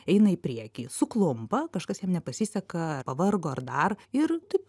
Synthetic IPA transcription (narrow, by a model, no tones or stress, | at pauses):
ɛɪnɐɪpʲɾʲiɛkʲiːsʊklˠʊmpɐkɐʃkɐsjɛmnʲɛpɐsʲisʲɛkɐɐpɐʋɐrɡoːɐrd̪ɐrɪɾt̪ɐɪp